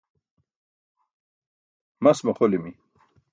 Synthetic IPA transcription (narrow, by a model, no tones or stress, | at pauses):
mɐsmɐχolimi